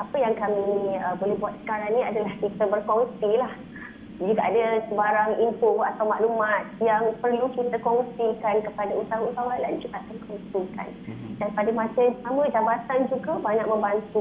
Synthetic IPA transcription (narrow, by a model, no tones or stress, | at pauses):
apəjaŋkamiəbolɛɦbuat̪̚sə̥kaɾaŋnĩa̰dalahkit̪əbərkɔnsilah | d͡ʒiɡaʔadəsəbaɾaŋimpoʔat̪awmaʔlumat̪̚jaŋpərlukit̪əkɔnsikankəpadaut̪awaut̪awala̰nd͡ʒuɡaakankɔŋsika̰ndaŋpadəmãsəsamə̃d͡ʒabat̪and͡ʒuɡabaɲaʔ̚mə̃mbant̪u